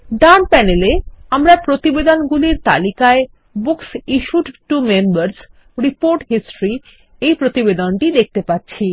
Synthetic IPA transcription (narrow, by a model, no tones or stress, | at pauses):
ɖampɛneleamɾapɾot̪ibed̪onɡuliɾt̪a̰likae | buksiʃuʈʈumembaɾs | ɾipoɾʈɦisʈoɾi | ejpɾot̪ibed̪onʈid̪ek̚ʰt̪epatːɕʰi